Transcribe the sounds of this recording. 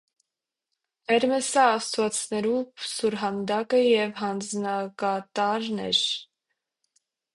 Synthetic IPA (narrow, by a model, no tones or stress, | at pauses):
ɛɾmɛsɑːst̪vɑt͡snɛɾupsuɾɦɑnd̪ɑkəjɛvɦɑnd͡znɑkɑt̪ɑɾnɛ̰ɾ